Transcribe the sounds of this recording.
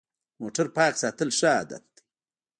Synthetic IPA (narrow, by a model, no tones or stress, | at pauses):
moːʈaɾpaːksaːt̪əlʂa̰ːd̪ɐ̰t̪̚d̪̥i̥